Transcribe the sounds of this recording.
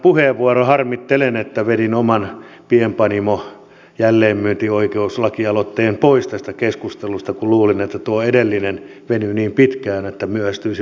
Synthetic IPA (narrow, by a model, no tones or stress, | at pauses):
puheʋʋuorohɑrmit̪ːelenet̪ːæʋedinomɑn | piempɑnimo | jælːeːmmyøt̪ioikeuslɑkiɑlot̪ːeːmpoist̪æst̪ækeskust̪elust̪ɑkuluːlinet̪ːæt̪uoedelːinen | ʋenyniːmpit̪kæːnet̪ːæmyøæst̪yis